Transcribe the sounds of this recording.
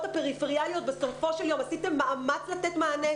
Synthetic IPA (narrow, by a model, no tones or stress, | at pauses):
t̪hapeʁifeʁialjo̞t̪̚be̞so̞fo̞ʃeljo̞masit̪e̞mːaʔamat͡slat̪et̪maːne